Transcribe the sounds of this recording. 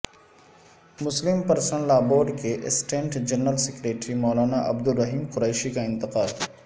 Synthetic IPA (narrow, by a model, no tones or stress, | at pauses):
mʊslɪmpɐɾsənlaːboːɾɖkeʔɪ̰sʈẽːɳʈd͡ʒɐɾnːəlsɪkɾeːʈɾimɔːlaːnaʔɐ̰bd̪ʊɾːɐɦiːmqʊɾeːʃikaɪ̃nt̪ɪqaːl